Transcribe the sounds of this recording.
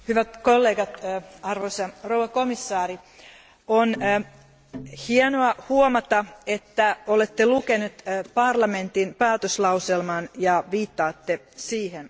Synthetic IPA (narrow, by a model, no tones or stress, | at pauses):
hyʋæt̪kolːeːɡɑt̪ːɑrʋoisɑrowɑkomisːɑːɾi | on | hiɛnoɑhuomɑt̪ɑet̪ːæolet̪ːelukenut̪pɑrlɑme̞nt̪inpæːt̪øslɑwselmɑnjɑʋiːt̪ːɑːt̪ːe | siːhen